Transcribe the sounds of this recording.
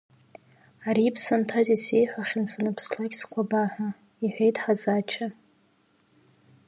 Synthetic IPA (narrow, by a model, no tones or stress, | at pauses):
aɾiːpʰsantʰazisejħʷᶣaχʲɪnsanɨpʰslaɡʲskʷʰabaħʷᶣa | iħʷᶣejtʼħazat͡ʃʰa